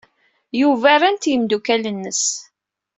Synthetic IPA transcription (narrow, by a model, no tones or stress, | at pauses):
juvæɾænt̪jəmd̪ukælənːəs